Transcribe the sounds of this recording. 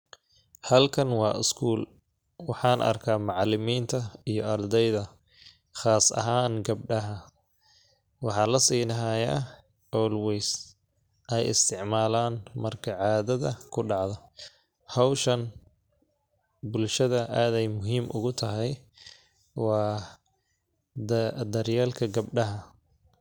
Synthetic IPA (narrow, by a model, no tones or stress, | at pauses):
hɐlkʰɐnwɑːɪskʰuːl | wɑħɑːnʔɐ̰rkʰaːmɑʕɑlɪmiːnt̪ʰɐijɞʔɐrd̪ɛjðɐ | χɑːsɐ̰ɦaːnɡɐb̚ɖɐɦɐ | wɑħɑːlɐsiːnɐɦaja̰ː | ɔwlwɛjs | ʔɛjɪ̰st̪ʰɪʕmaːlaːnmɐrkʰɐʕɑːðɐðɐkʰʊɖɑʕðɔ | hɑwʃɐn | bʊlʃɐðɐʔaːðɛjmʊɦiːmʔʊ̰ɣʊt̪ʰɐɦɛj | wɑː | d̪ɐrjaːlkʰɐɡɐbɖɐɦɐ